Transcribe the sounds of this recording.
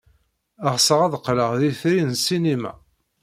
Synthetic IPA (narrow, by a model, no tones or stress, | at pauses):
əʁsəʁæðqːləʁðiθɾisinimæ̰